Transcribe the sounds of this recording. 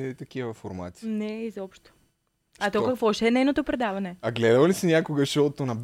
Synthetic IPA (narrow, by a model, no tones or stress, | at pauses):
t̪ɐk̟ivɐfoɾma̰t̪sʲinɛizɔpʃt̪o̥ | at̪ɔkɐkvɔʃɛɛnɛjnot̪opɾɛd̪avɐnɛɐɡlɛd̪ɐvɐlisɛnʲakoɡəʃot̪onɐb